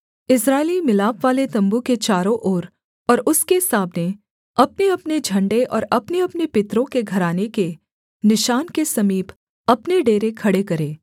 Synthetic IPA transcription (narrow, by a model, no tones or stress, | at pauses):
ɪsɾaːɪlimɪlaːpʋaːlet̪ɐ̃mbuket͡ʃaːɾõʔoːɾ | ɔːɾʊskesaːbne | ɐpneɐpned͡ʒʱɐ̃ɳɖeʔɔ̰ːɾɐpneɐpnepɪt̪ɾõkeɡʱɐɾaːneke | nɪʃaːnkesɐmiːp | ɐpneɖeːɾekʰɐɽekɐɾẽː